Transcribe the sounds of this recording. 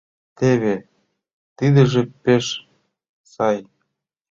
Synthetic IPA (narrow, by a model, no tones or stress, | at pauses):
t̪eβe | t̪id̪ə̆ʒĕpeʃ | sɑj